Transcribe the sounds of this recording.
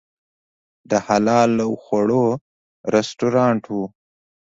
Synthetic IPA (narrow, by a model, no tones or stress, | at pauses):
d̪əhalɑːlawxaɽo | ɾesʈuɾɑːɳʈu